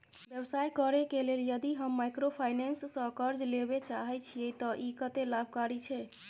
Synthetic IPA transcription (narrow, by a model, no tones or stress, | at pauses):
bjəbsajkəɾɛkeleljəd̪iɦəmːajkɾopʰajnensːə̃kəɾd͡ʒlebet͡ʃaɦɛt͡ʃʰiɛt̪ɔʔikət̪elab̚ʱkaɾit͡ʃʰɛ